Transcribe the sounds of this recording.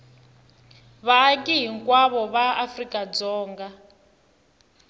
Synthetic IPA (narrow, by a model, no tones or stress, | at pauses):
βaːk̬ʼiɦiŋkwaβɔβaafrikʼad͡zɔːŋɡa